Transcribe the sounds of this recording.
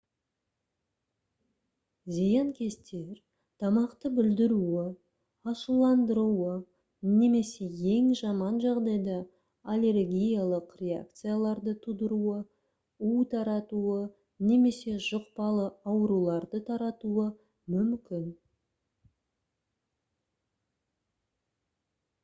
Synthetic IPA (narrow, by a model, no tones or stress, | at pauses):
zijɑŋkʲʰe̞st̪e̞ɾ | t̪ʰɑmɑqt̪əbɪld̪ɪɾuɪ | ɑʃəlˠːɑnd̪əɾuə | ne̞me̞se̞je̞ŋʒɑmɑnʒɑʁd̪ɑjd̪ɑ | alʲe̞rɡʲijalˠəqrʲe̞a̰k̚t̪sɨjalˠɑɾd̪ət̪ʰud̪əɾuə | ut̪ʰɑɾɑt̪uə | ne̞me̞se̞ʒʊqpɑlˠəɑwəɾulˠɑɾd̪ət̪ʰɑɾɑt̪uə | mʏmkʲɪn